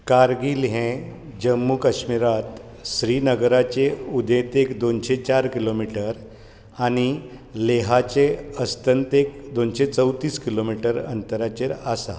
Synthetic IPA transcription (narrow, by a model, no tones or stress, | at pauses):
kaɾɡiːlɦɛ̃ | d͡ʑəmːukaɕmiɾat̪ | ɕɾiːnəɡɾat͡ɕeud̪ʱet̪ekd̪onɕet͡ɕaɾkilomiʈəɾ | añileɦat͡ɕeəst̪ənt̪ek̚d̪onɕet͡səwt̪iːskilomiʈəɾə̰nt̪əɾat͡ɕeɾasa̰